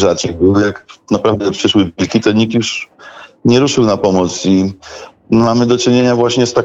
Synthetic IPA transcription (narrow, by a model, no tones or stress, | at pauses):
ʐat͡ʂɘbɘwjaknapɾavd̪ɛpʂɘʂwɘvʲilkʲit̪ɔɲik̚t̪juʂ | ɲɛɾuʂɘwnapɔmɔt̪si | mamɘd̪ɔt͡ʂɘɲeɲavwaɕɲɛst̪a